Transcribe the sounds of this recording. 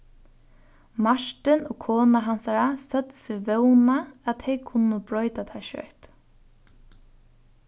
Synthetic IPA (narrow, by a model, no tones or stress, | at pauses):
maʂʈɪnoːkʰoːnaɦansaɾasœt̪sɪʋœwnaat̪ʰɛjkʰʊnːəbɾɔʏt̪at̪ʰaʃœ̰ɹt̪